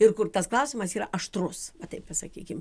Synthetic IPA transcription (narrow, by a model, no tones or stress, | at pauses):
ɪrkʊrt̪ɐsklˠɐʊsʲɪmɐsiːɾɐʔɐʃt̪ɾʊsʋɐt̪ɐɪppɐsɐkʲiːkʲɪm